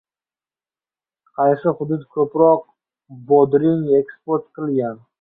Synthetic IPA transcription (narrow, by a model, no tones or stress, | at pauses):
qʰɑjsɪχʊd̪ʊd̪kʲʰɵpɾɒq̚ | bod̪ɾɪŋekspoɾt̪qʰɨlˠɡʲan